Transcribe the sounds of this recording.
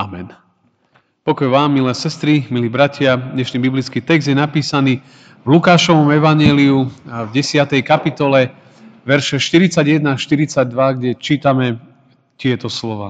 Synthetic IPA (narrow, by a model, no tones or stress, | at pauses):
amɛn | pɔkɔjʋaːmːilɛːsɛst̪ɾimiliːbɾacɪad̪ɲɛʃniːbiblit͡skiːt̪ɛɡzd̪jɛnapiːsaniː | vlukaːʃɔʋɔmɛʋaɲɛːliuvɟɛsɪat̪ɛjkapit̪ɔlɛ | ʋɛɾʃɛʃt̪iɾit͡saɟjɛd̪naʃt̪iɾit͡saɟ̚d̪ʋaɡɟɛt͡ʃiːt̪amɛ | t̪ɪɛt̪ɔslɔʋaː